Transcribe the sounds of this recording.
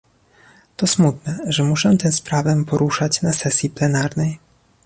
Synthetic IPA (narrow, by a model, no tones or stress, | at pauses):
t̪ɔsmut̪nɛʐɛmuʂɛt̪ɛ̃w̃spɾavɛpɔɾuʂat͡ɕnasɛsʲjiplɛnaɾnɛj